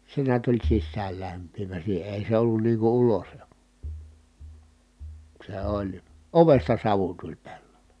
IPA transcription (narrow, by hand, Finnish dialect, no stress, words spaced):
se niæt olʲ sisːæːlːæmpˑiːʋæ siːhe eˑi se olːun niː ku ulosl se olʲ oʋestɑ sɑʋu tulʲ pelːol̥e̥